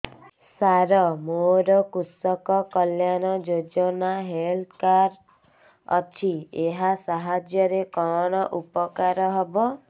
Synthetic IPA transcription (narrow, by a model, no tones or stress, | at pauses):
saɾɔmoɾɔkusɔkɔkɔljañɔd͡ʒod͡ʒɔnaɦelkaɾ | ɔ̰t͡ʃʰieɦasaɦad͡ʒjɔɾekɔɽ̃ɔʔupɔkaɾɔɦɔbɔ